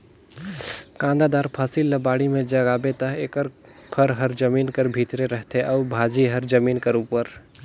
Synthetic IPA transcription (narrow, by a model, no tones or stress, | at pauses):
kãnd̪ad̪aɾpʰəsilːəbaɽimed͡ʒəɡabet̪əɦekəɾ | pʰəɾɦəɾd͡ʒəminkəɾbʱit̪ɾeɾəɦt̪ʰeʔaubʱad͡ʒiɦəɾd͡ʒəminkəɾupəɾ